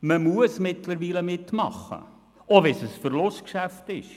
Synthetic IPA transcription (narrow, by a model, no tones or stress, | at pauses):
məmuəsmɪtləɾʋiːləmɪtmɑ̰χːə̰ | ovɛsəsfəɾlʊstkʃæftɪʃ